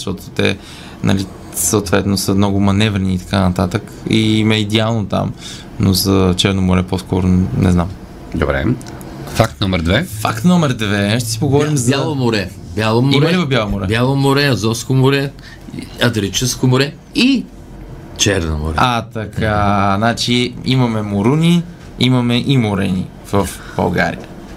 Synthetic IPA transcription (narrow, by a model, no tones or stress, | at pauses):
ʃt̪ɔt̪ʊ̥t̪ɛ̰ | nɐ̰li | səot̪vɛt̪nosəmnɔɡʊmɐnɛvɾɛniːt̪ɐ̥kanɐt̪at̪ək | imɛid̪ɛalˠnot̪a̰m | nozɐt͡ʃɛɾnomʊɾɛposkʰɔɾonɛ̰znam | d̪o̰bɾɛ̰ | fak̚t̪nɔmɛɾd̪vɛfakt̪nɔmɛɾd̪vɛʃt̪ɛ̥si̥poɡovɔɾimzalˠomʊɾɛ | bjalˠomoɾɛlivɐbjalˠomoɾɛbjalˠomoɾɛɐzɔfskomʊɾɛ | ɐd̪ɾit͡ʃɛskomʊɾɛ | i | t͡ʃɛɾno̰mo̰ɾɛat̪ɐkʰanat͡ʃiimɐmɛmoɾunʲi | imɐmɛʔimoɾɛ̰nḭ | v̥əf | b̥ɐ̰lˠɡa̰ɾḭjə̰